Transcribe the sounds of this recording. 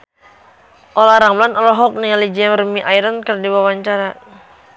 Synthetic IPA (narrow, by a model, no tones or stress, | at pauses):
ʔolaɾamlanɔlaɦɔk̚nialid͡ʒiamrmiʔajɾankərdiwawaɲt͡ʃaɾa